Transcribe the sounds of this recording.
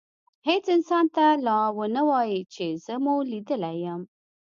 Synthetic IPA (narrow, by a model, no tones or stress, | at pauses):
het͡sɪnsɑnt̪alɑwənəwɑjit͡ʃezəmulid̪əlajəm